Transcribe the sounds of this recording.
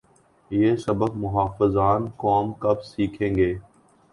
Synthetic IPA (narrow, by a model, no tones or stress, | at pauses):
jeːsəbəkmʊɦaːfəzaːnkɔːmkɐbsiːkʰẽːŋɡeː